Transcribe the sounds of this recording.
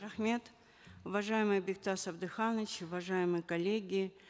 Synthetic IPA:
ɐxmʲe̞t̪ | ʊvɐʐajɪmɨjbʲɪk̚t̪asɐvd̪ɨxanət͡ɕʊvɐʐajɪmɨjəkɐlʲeɡʲɪ

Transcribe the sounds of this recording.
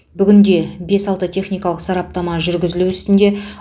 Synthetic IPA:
bʏɡʲɪnd̪e̞be̞sɑlˠt̪ət̪ʲʰe̞χnijkɑlˠəqsɑɾɑp̚t̪ɑmɑʒʏɾɡʲɪzɪluʏst̪ɪnd̪e̞

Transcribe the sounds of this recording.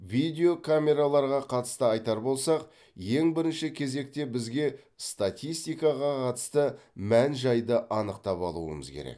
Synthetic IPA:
vijd̪ʲe̞o̞kʰamʲe̞ɾalˠɑɾʁɑqʰɑt̪ə̥st̪əɑjt̪ɑɾbo̞lˠsɑq | je̞ŋbɪɾɪnʃɪkʲʰe̞ze̞k̚t̪e̞bɪzɡʲe̞ | st̪at̪ʲijst̪ijkɑʁɑqʰɑt̪ə̥st̪əmænʒɑjd̪əʔɑnəqt̪ɑpɑ̰lˠṵə̰mə̰zkʲʰeɾḛk

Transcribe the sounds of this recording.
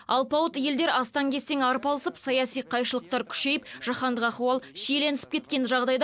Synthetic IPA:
ɑ̰lˠpɑwət̪je̞ld̪eɾɑst̪ɑŋkʲʰe̞st̪e̞ŋɑɾəpɑlˠəsəpsɑjɑsijqʰɑjʃəlˠəq̚t̪ɑɾkʲʰʏ̥ʃe̞jɪpʒ̥ɑχɑnd̪əqɑχwɑlˠʃejle̞nɪsɪ̥p̚kʲe̞t̪kʲe̞nʒɑʁd̪ɑjd̪

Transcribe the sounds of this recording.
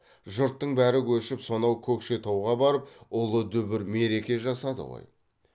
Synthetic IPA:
ʒʊɾt̪ːəɴbæɾɪkʰʲɵʃɪpso̞nɑwkʲʰɵkʃe̞t̪ʰowʁɑbɑɾəp̚ʊlˠəd̪ʏbɪɾme̞ɾe̞kʲe̞ʒɑsɑd̪ə̰ʁo̰j

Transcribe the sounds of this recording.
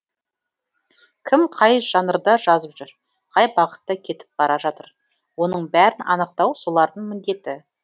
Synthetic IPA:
kʲʰɪmqʰɑjʒ̥ɑnəɾd̪ɑʒɑzəpʒʏɾ | qʰɑjbɑqə̥t̪ːəkʲʰe̞t̪ɪ̥p̚b̥ɑɾɑʒɑt̪əɾ | wo̞nəɴbæɾɪnʔɑ̰nəq̚t̪ɑwso̞lˠɑɾd̪əɴmɪnd̪e̞t̪ɪ

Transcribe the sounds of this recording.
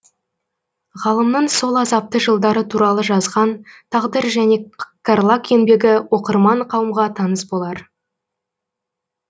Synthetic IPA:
ʁɑlˠəmnəɴso̞lˠɑzɑp̚t̪əʒəlˠd̪ɑɾət̪ʰuɾɑlˠəʒɑzʁɑnt̪ʰɑʁd̪əɾʒæne̞karlˠake̞nbe̞ɡʲɪwʔo̞qəɾmɑɴqʰɑwəmʁɑt̪ʰɑnəsbo̞lˠɑɾ

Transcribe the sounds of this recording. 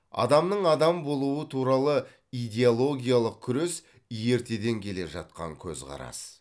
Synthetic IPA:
ɑ̰d̪ɑmnəɴɑd̪ɑmbo̞lˠuwət̪ʰuɾɑlˠə | ijd̪ʲe̞olˠo̞ɡʲijalˠəq̚kʲʰʏɾe̞s | je̞ɾt̪e̞d̪e̞ŋkʲʰe̞le̞ʒɑ̰t̪̚qɑ̰ŋkʲʰɵ̰zʁqɑ̰ɾɑ̰s

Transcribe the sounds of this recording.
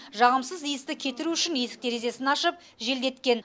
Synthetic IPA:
ʒɑʁəmsəzijəst̪ɪkʲʰe̞t̪ɪɾuʏʃɪnje̞sɪ̥k̚d̪eɾe̞ze̞sɪnɑʃəp̚ | ʒe̞ld̪e̞t̪kʲe̞n

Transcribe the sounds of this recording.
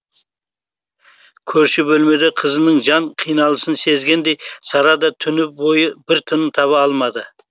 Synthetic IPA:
kʲʰɵɾʃɪbɵlme̞d̪eqʰəzənəɴʒɑɴqʰijnɑlˠəsənse̞zɡʲe̞nd̪e̞jsɑɾɑd̪ɑt̪ʰʏnɪbo̞jəbɪɾt̪ʰənət̪ʰɑβɑɑlˠmɑd̪ə

